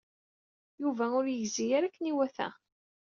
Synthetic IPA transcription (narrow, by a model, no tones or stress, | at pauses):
juvæʊɾjəʝzijaɾækːəniwæθæ̰